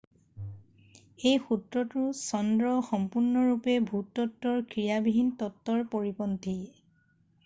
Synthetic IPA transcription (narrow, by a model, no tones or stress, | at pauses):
ejxutɹɔtʊsɔndɹɔxɔmpuɹnɔɹupɛbʱutːɔtːɔɹkɹijabiɦintɔtːɔɹpoɹipɔnti